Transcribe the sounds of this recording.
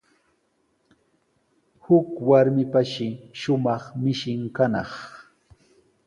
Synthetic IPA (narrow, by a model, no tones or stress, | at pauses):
hʊkwaɾmɪpaʃɪʃʊmɑχmɪʃɪŋkanɑ̰χ